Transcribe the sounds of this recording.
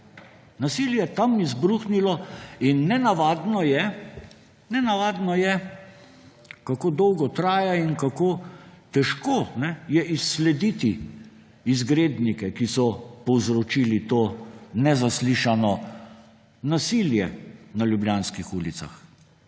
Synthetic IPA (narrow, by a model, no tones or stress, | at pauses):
nasiljɛt̪amizbɾuːxnilɔinːɛnaʋaːd̪nɔjɛ | nɛnaʋaːd̪nɔjɛ | kakoːd̪ɔwɡɔt̪ɾaːjainkakoːt̪ɛʃkoːnɛjɛʔisːlɛd̪it̪i | izɡɾeːd̪nikɛkisɔpɔwzɾɔt͡ʃiːlit̪oːnɛzasliʃanɔ | nasiljɛnaljublʲjaːnskixuːlit̪sa̰x